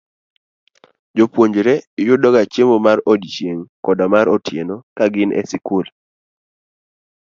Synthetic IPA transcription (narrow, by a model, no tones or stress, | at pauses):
d͡ʒopwoɲd͡ʒɾejʊdɔɡat͡ʃemomarɔdit͡ʃjeŋkɔdamaɾɔtjenokaɡɪnʔɛ̰sɪkʊl